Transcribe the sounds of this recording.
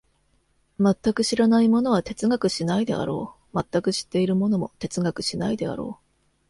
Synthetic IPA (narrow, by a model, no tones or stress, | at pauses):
mat̪ːakɯ̟ɕiɾanaimo̞no̞β̞at̪e̞t͡sɨɡakɯ̟ɕinaid̪e̞̰a̰ɾo̞ː | mat̪ːakɯ̟ɕi̥t̪ːe̞iɾɯ̟mo̞no̞mo̞̰t̪e̞t͡sɨɡakɯ̟̥ɕinaid̪e̞a̰ɾo̞̰ː